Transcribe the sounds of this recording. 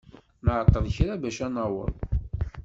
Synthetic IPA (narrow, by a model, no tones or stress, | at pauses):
mʕət̪ːəðˤçɾabæʃænɑwə̰lˤ